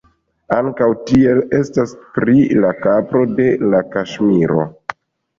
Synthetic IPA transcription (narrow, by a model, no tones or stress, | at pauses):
aŋkawtie̞le̞staspɾilakapɾo̞de̞lakaʃmiɾo̞̰